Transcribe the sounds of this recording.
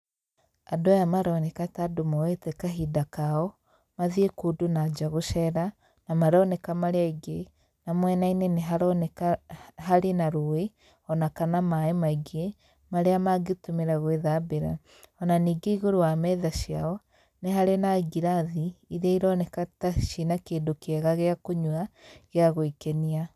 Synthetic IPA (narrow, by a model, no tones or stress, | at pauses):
adojamaɾɔnɛkatadomɔwetɛkaɦidakaɔ | maðiekodunad͡ʒaɣoʃɛɾa | namaɾɔnɛkamaɾeaiɡe | namwɛnaineneɦaɾɔnɛahaɾenaɾoe | ɔnakanamaemaiɡie | maɾeamaɡetomeɾaɣweðabeɾa̰ | ɔnaniːɡeiɣoɾowamɛðaʃiaɔ | neɦaɾenaɡiɾaðiiɾaiɾɔnɛkataʃinakeːndokeɛɣaɣeakoɲwaɣeaɣoikɛnia